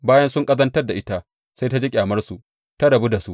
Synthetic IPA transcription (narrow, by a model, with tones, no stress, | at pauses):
baː˦jɐ˦nsʊ˦ŋkʼɐ˦zɐ˦ntɐ˦rda˨ʔɪ˦ta˦ | sa˦jta˦d͡ʒe˦kʲʼaː˨mɐ˦rsu˨ʔ | ta˦ɽɐ˨bu˦da˨su˦ʔ